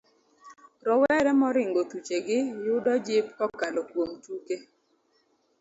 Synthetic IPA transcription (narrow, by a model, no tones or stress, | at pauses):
ɾɔwɛɾɛmɔɾɪŋɡot̪ut͡ʃeɡɪjʊdɔd͡ʒɪpkɔkalokwomt͡ʃuke